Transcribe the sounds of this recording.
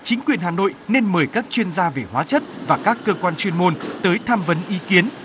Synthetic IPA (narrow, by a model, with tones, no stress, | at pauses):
t͡ɕï˨˦ŋ̟kwi˨˩ənɦaː˨˩no̰˧˨jne˧nməː˨˩jkaː˦˥k̚t͡ɕwi˧ənzaː˧ve˨˩hwa̰ː˨˦t͡ɕə˦˥t̚vaː˨˩kaː˦˥kːəː˧kwaː˧nt͡ɕwi˧ənmo˧nt̪əː˨˦jt̪ʰaː˧mvə˨˦nʔi˨˦ki˨˦ən